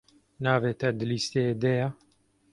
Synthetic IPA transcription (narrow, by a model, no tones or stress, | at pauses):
naːveːt̪ɛd̪ɨliːst̪ed̪ɛja